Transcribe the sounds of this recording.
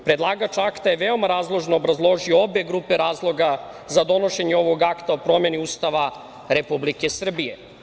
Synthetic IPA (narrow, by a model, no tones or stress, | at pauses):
pɾe̞d̪lˠaːɡat͡ʃaakt̪ajeʋeo̞maɾaːzlˠo̞ʒnoːbɾazlˠo̞ʒioobe̞ɡɾupeɾaːzlˠo̞ɡazad̪o̞no̞ʃe̞ɲeo̞ʋo̞ɡakt̪aopɾo̞mje̞niust̪aʋa | ɾe̞publike̞sr̩bije̞